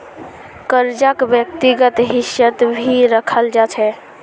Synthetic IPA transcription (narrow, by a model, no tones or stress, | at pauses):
kəɾd͡ʒakbjək̚t̪iɡət̪ɦiʃjət̪bʱiɾəkʰəld͡ʒat͡ʃʰɛ